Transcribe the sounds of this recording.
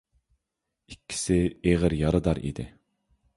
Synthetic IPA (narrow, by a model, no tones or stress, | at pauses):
ikʲʰːi̥sɪeʁəɾjɑɾɨd̪ɑɾḭd̪ɪ̰